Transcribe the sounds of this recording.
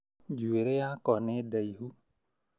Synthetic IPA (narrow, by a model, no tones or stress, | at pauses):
d͡ʒueɾeakɔned̪əjɦu